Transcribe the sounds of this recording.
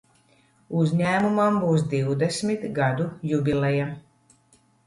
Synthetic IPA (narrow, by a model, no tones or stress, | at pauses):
uzʲɲæːmumambuːsd̪iwd̪ɛsmit̪ɡad̪ujubʲilɛja